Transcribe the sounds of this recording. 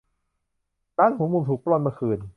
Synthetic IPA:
daː˦˥˩nhu˧˦muː˧mt̪ʰuː˨˩k̚plɔ˧nmaː˧kʰɯː˨˩n

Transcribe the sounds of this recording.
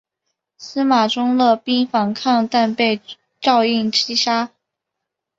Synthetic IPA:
sɹ̩˥ma˨˩ʈ͡ʂʊ˥ŋlɤ˥˩pi˥ŋfɑ˧˥ŋkʰɑ˥˧ŋt̪a˥˧npe˥˧ɪ | ʈ͡ʂɑ˥˧ʊi˥˩ŋt͡ɕʰi˥ʂa˥

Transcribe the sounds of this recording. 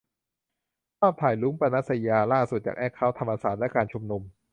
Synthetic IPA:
kʰɔː˥˩p̚t̪ʰaː˨˩jluː˦˥ŋpɾa˧na˦˥t̪̚sa˧jaː˧laː˥˩su˨˩t̪̚t͡ɕa̰ː˨˩kʔɛː˥˩kʰa˦˥˩wt̪ʰa˧mʔaː˧saː˨˩t̪̚lɛ˦˥kaː˧nt͡ɕʰu˧mnu˧m

